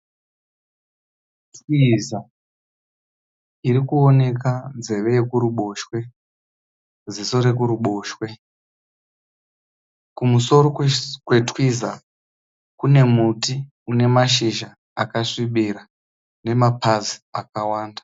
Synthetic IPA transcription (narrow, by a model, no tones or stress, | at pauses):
twiza | iɾikuone̞k̬anze̞ʋe̞jekuɾuɓo̞ʃwe̞ | d͡zisoɾe̞k̬uɾuɓo̞ːʃwe̞ | kumuso̞ɾo̞kwe̞twiza | kune̞muti | une̞maʃ̬iʒa | akaʂiɓiɾa | ne̞mapaziakawaːndḁ